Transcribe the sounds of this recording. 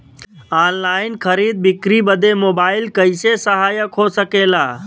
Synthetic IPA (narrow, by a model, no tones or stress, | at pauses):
aːnlaːɪnkʰəɾid̪̚bɪkɾibəd̪emoːbaːɪlkəɪsesəɦaːjəkɦosəkela